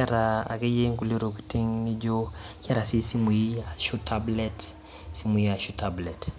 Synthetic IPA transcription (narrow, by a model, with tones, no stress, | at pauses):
aɾa˨a̰˨kɛ˦je˦ŋku˦le˦ɾo˨ki̥˨ti˦ŋni˦d͡ʒo˦kɛ˦ɾa˨si˦si˦mu˨ji˦a˨ʃu˦tablɛ˦t | si˦mu˨ji˦a˨ʃu˦tablɛ˨t